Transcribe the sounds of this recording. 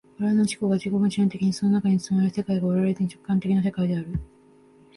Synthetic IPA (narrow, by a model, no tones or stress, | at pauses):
aɾanoɕi̥ko̞ɡad͡ʑiɡomɯɕiẽnt̪e̞kʲiɲ̟iso̞no̞nakaɲ̟isɨmaɾɯ̟se̞kaiɡaoɾaɾe̞zeɲ̟it͡ɕo̞kːãnt̪e̞kʲinas̬e̞kaid̪e̞aɾɯ̟